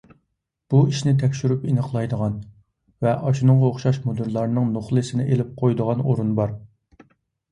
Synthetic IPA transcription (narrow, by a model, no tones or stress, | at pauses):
b̥uiʃnɪt̪ʰɛkʲʃyɾypinəχlˠɑjd̪əʁɑn | vɛʔɑʃunɨŋʁɑoχʃɑʃmod̪ɨɾlˠɑɾnɨŋnoχlˠɨsɪnɪʔelɪp̚qʰojd̪əʁɑnoɾunbɑɾ